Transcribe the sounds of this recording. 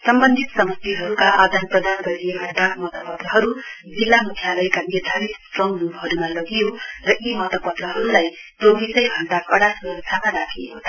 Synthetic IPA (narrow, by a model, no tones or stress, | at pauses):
sʌmbʌnd̪ʱit̪sʌmʌst̪iɦʌɾukaʔad̪ʱanprʌd̪anɡʌɾiekaɖ̪akʰmʌt̪ʌpʌd̪rʌɦʌɾu | d͡zilːamukʰjalʌjkanerd̪ʱaɾit̪strʌŋmubɦʌɾumalʌɡijorʌʔemʌt̪ʌpʌt̪rʌɦʌɾulaj | tobisʌjbʱʌnd̪akʌɽasnʌɾsʰamaɾakʰijot̪ʰ